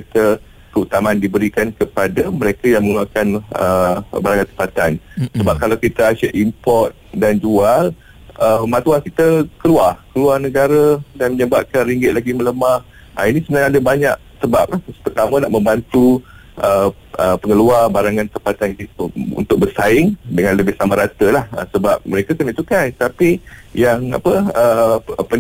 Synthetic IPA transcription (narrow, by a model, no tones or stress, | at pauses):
et̪ə | kəut̪amandibəɾikankəpadaməɾekajaŋməŋuluakanə̰baɾaŋant̪ə̥mpat̪ansəbap̚kalawkit̪aaʃəʔʔimpɔrt̪̚dand͡ʒual | əmat̪uankit̪əkəluarkəluarnəɡaɾadanməɲəbap̚kanriŋɡɪt̪̚laɡimələmah | ə̰inisəbənaŋadabaɲaʔ̚səba̰p̚lahpərt̪aməna̰ʔmə̃mbant̪u | ʔə | əpəŋəluarbaɾaŋãnt̪əmpat̪ankit̪əṵnt̪ʊk̚bərsaɪŋdəŋãnləbɪhsamaɾat̪əlahə̰səbap̚məɾekakənit̪ukant̪apijaŋa̰pəəpə